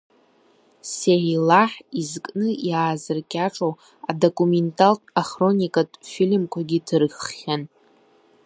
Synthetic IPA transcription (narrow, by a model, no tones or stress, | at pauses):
seilaħizkʼnɨjaːzɨrkʲʼaʈ͡ʂʼo | adokʼumentʰʼaltʼaχro̞nʲikʼatʼfilmkʷʰaɡʲidʰrχːʲan